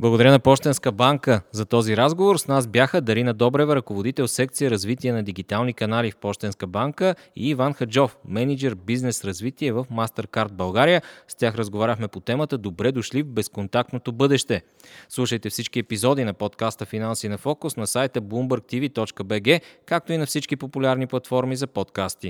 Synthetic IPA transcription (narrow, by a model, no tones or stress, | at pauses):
blˠɐɡod̪ɐɾʲənɐpɔʃt̪ɛnskəbaŋkəzɐt̪ɔziɾazɡovoɾsnazbjaxəd̪ɐɾinɐd̪ɔbɾɛvəɾɐkovod̪it̪ɛlˠsɛk̚t̪sijəɾɐzvit̪iɛnɐd̪iɡit̪alˠnikɐnalifpɔʃt̪ɛnskəbaŋkə | ḭːvanxɐd͡ʒɔfmɛnid͡ʒɛɾbiznɛsɾɐzvit̪iɛvəfmast̪ɛɾkaɾt̪̚bɐlˠɡaɾijəst̪ʲaxɾəzɡovaɾʲəxmɛpot̪ɛmət̪əd̪obɾɛd̪oʃlivbɛskont̪ak̚t̪not̪obɤd̪ɛʃt̪ɛ | slˠuʃəjt̪ɛfsit͡ʃkiɛpizɔd̪inɐpɔt̪kast̪əfinansinɐfɔkʊsnɐsajt̪əblˠumbəɾk̚t̪ivit̪ɔt͡ʃkəbɛɡɛkak̚t̪oinɐfsit͡ʃkipopulʲaɾniplˠɐt̪fɔɾmizɐpɔt̪kast̪i